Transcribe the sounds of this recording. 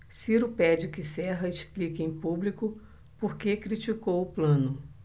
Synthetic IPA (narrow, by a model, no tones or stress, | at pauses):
siɾʊpɛd͡ʒɪkɪsɛɦɐesplikɪẽj̃publikʊ | poɾkekɾit͡ʃikowʊplɐ̃nʊ